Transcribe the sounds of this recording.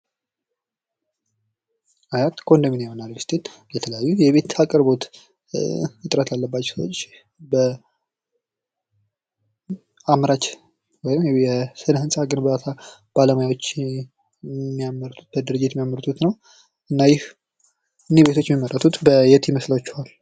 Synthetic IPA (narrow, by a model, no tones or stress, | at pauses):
ajat̪kʼond̪əminjehonaɾɡɨst̪ʰen | jɛt̪ʰələjajːujɛβe̞t̪akʼəɾbo̞t̪ | ɨt̪ʼɾət̪ʰlalːəbːat͡ʃːsəwot͡ʃː | bə | amɾat͡ʃ | wɔjɪmjɛsɨnhɨnsʼaɡɨnbəat̪ʰab̥aləmajawot͡ʃː | mːijaməɾt̪ʰu̥t̪̚bəd̪ɨɾɨd͡ʒːɪt̪mijaməɾt̪ʰut̪nəw | ʔɨnːajɪh | ɨnːebe̞t̪ʰo̞t͡ʃːmiməɾʼət̪ʰut̪bəjɛt̪ʰjiməslawt͡ʃːuhal